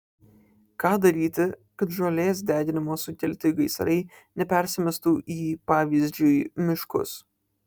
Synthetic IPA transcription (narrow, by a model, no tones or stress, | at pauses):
kɑːd̪ɐɾʲiːt̪ʲɪkɐt̪ʒoːlʲeːsd̪ʲæːd̪ʲɪnʲɪmoːsʊt̪ʲɛlʲt̪ʲɪɡɐɪsɐɾɐɪ | nʲɛpʲɛɾʲsʲɪmʲɛst̪uːʔiːpɑːʋʲiːzʲd͡ʒʲʊjmʲɪʃkʊ̰s